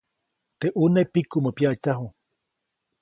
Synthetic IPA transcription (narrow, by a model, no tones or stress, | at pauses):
t̪eʔunepikuməpjaʔt͡ʃaɦu